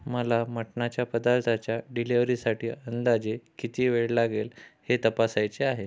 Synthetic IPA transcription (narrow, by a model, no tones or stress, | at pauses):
məlaməʈɳat͡ɕjapəd̪aɾt̪ʰat͡ɕjaɖileʋɾiːsaʈiːənd̪ad͡ʑekit̪iːʋeɽlaɡelhet̪əpasajt͡seaɦe